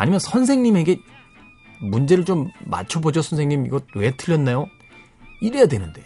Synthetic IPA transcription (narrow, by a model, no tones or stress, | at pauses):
a̰ɲimjʌnsʰʌns̬ʰeŋɲime̞ɡe̞ | mund͡ʑe̞ɾɯɭt͡ɕomːa̰t͡ɕʰʌbod͡ʑʌsʰʌnsʰe̞ŋɲimḭɡʌt̚we̞tʰɯʎːʌnːajo | iɾejadwenɯnde̞̰